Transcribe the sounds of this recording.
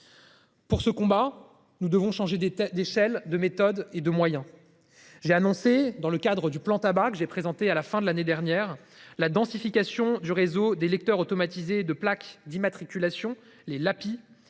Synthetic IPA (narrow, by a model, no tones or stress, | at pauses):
puʁsəkɔ̃ba | nud̪əvɔ̃ʃɑ̃ʒed̪d̪eʃɛld̪əmet̪ɔd̪ed̪əmwajɛ̃ | ʒeanɔ̃sed̪ɑ̃ləkad̪ʁəd̪yplɑ̃t̪abakəʒepχezɑ̃t̪ealafɛ̃d̪əlaned̪ɛʁnjɛʁ | lad̪ɑ̃sifikʲasjɔ̃d̪yʁezod̪elɛk̚t̪œʁot̪ɔmat̪ized̪əplakd̪imat̪χikʲylasjɔ̃ | lelapi